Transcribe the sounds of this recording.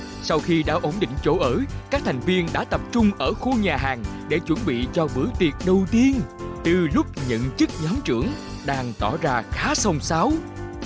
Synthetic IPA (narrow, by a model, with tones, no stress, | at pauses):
sa˧wxi˧ɗa̰ː˧˥ʔo˧˩nɗḭ˧˨ŋ̟t͡ɕo˧˦ʔəː˧˦kaː˦˥k̚t̪ʰa˨˩jŋ̟vi˧ənɗa̰ː˧˥t̪ə˨˩p̚t͡ɕʊ˧ŋ͡mʔəː˧˩xu˧ɲaː˨˩ɦaː˨˩ŋɗe˧˩t͡ɕwə˧˩nɓḭ˧˨t͡ɕɔ˧ɓɨ˧˩˦əjt̪i˨˩ət̚ɗə˨˩wt̪i˧ənt̪ɨ˨˩lʊ˦˥k͡p̚ɲə̰˧˨nt͡ɕɨ˦˥k̚ɲɔ˨˦mt͡ɕɨ˧˩əŋ | ɗaː˧ŋt̪ɔ̰˧˩zaː˧xaː˨˦sə˧wŋ͡msaː˨˦w